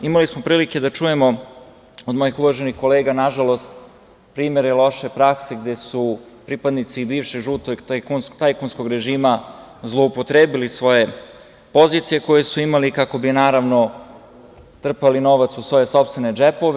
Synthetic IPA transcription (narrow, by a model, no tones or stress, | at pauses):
imalismo̞pɾiːlike̞d̪at͡ʃuje̞mo̞ | o̞d̪mo̞jixuʋaʒenixko̞leːɡanaʒalo̞st̪ | pɾiːme̞ɾelˠo̞ʃe̞pɾakseɡd̪e̞supɾipad̪nit̪sibiːʋʃeɡʒuːt̪oɡ̪akunst̪ajkunsko̞ɡɾe̞ʒiːma | zlˠo̞upo̞t̪ɾeːbilisʋo̞je̞ | po̞zit̪sije̞ko̞je̞suimalikako̞binaːɾaʋno̞ | t̪r̩palino̞ʋat̪susʋo̞je̞so̞pst̪ʋe̞ned͡ʒepo̞ʋ